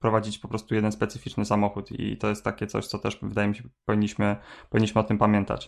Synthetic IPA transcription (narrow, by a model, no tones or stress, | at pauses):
pɾɔvad͡ʑit͡ɕpɔpɾɔst̪ujɛd̪ɛnspɛt̪sɘfʲit͡ʂnɘsamɔxut̪ḭt̪ɔjɛst̪ːakʲɛt̪sɔ̰ɕt̪sɔt̪ɛ̰ʂvɘd̪ajɛmʲiɕɛpɔvʲiɲːiɕmɘpɔviɲːiɕmɘɔt̪ɘmpamʲjɛnt̪a̰t͡ɕ